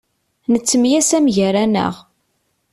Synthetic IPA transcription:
nət͡sːəmjæsæmʝəɾænə̰ʁ

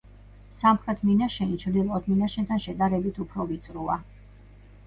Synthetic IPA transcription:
samχɾɛt̪ʰminaʃɛnit͡ʃʰɾd̪ilˠqʼɔt̪ʰminaʃɛnt̪ʰanʃɛd̪aɾɛbit̪ʰupʰɾɔvit̪sʼɾua

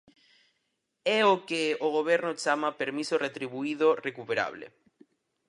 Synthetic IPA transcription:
ɛokeoɣ̞oβ̞ɛɾnot͡ʃamapeɾmisoret̪ɾiβuiðorekupeɾa̰βlḛ

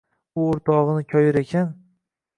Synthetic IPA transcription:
ʊoɾt̪ʰɒʁɨnɪkʲʰɒjɪɾekʲʰan

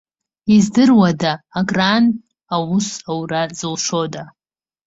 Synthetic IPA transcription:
izdɨrwadaːɡran | awʊsawrazɨlʂoda

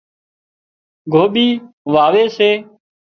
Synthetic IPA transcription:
ɡʱoːɓiː | ʋaːʋeːseː

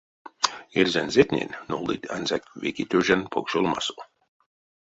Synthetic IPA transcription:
eɾzænzet̪nʲḛnnːolˠd̪it̪a̰nzakvḛkit̪øʒanpʰokʃolˠma̰so

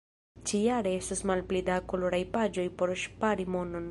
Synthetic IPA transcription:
t͡ʃijaɾe̞e̞stasmalplidakoloɾajpad͡ʒo̞jpo̞ɾʃpaɾimono̞n

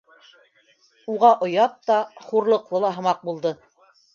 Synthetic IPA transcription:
uʁɑʔŏjɑp̚t̪ɑχuɾlˠɤ̆qlˠɤlˠɑɦɤ̆mɑq̚bulˠd̪ɤ

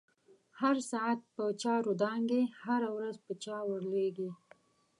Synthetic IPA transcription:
haɾsɑat̪̚pət͡ʃɑɾod̪ɑŋɡehaɾawɾazpət͡ʃɑwəɽleɡi

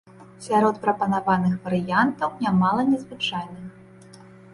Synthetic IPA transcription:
sʲaɾɔt̪̚pɾɐpɐnavanɨxvɐɾɨjant̪ɐwnʲamalˠɐnʲɛzvɨt͡ʂajnɨx

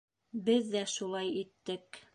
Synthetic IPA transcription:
bɘðːæʃulˠɑjit̪ːɘk

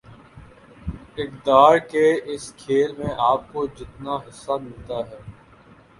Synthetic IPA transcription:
ɪkd̪aːɾkeɪskʰeːlmẽʔaːp̚kod͡ʒɪt̪naɦɪsːamɪlt̪aɦɛː

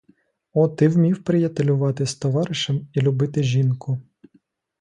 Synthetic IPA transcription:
ɔt̪ɪwmʲiwpɾɪjɐt̪elʲʊʋɑt̪ɪst̪ɔʋɑɾɪʃɐmilʲʊbɪt̪ɪʒʲinkʊ

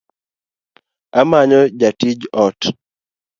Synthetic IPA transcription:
amaɲɔd͡ʒatid͡ʒɔt

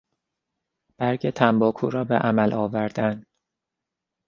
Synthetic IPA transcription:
b̥æɾɟet̪ʰæmbɒːkʰṵːɾɒːbeʔæmælʔɒːvæɾd̪æn

